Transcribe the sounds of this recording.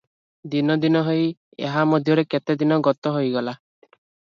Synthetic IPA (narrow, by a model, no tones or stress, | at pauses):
d̪inɔd̪inɔɦej | ḛɦamod̪ʱjɔɾeket̪ed̪inɔɡɔt̪ɔɦojɡɔla